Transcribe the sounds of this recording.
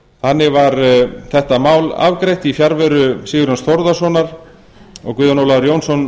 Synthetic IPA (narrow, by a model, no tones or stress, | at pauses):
θanːɪɣvaɾθɛht̪amaːwla̰vkɾejht̪ifjaɾvœɾʏsiːɣʏɾhansθɔɾðasvɔnaɾ | ɔ̰ɣkʏːðanɔwlaɾjownsɔn